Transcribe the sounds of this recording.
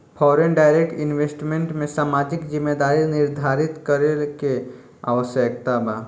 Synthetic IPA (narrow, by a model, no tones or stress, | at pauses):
pʰɔːɾenɖaːɪɾek̚ʈɪnʋesʈmẽɳʈmẽsaːmaːd͡ʒɪkzɪmːed̪aːɾinɪɾd̪ʱaːɾɪt̪kəɾelke | a̰ʋəsjək̚t̪abaː